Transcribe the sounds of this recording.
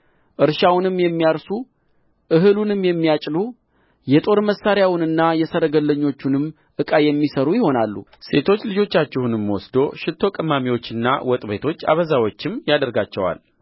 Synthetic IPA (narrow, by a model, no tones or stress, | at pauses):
ʔɨɾʃawnɨmːjɛmːijaɾsu | ʔɨɦɨlunɨmːjɛmːijat͡ʃʼlu | jɛt̪ʼo̞ɾməsːaɾjawʊnɨnːajɛsəɾəɡəlːəɲːo̞t͡ʃːunɨmː | ʔɨkʼajɛmːisəɾujɪho̞nalːṵse̞t̪ʰo̞t͡ʃːlɨd͡ʒo̞t͡ʃːat͡ʃːɛhunɨmːwɔsd̪o̞ʃɪt̪ʰːo̞kʼəmːamiwo̞t͡ʃːɨnːa̰wɔt̪ʼbet̪ʰo̞t͡ʃːa̰βəzawo̞t͡ʃːɪmjad̪əɾɡat͡ʃːɛ̰wa̰l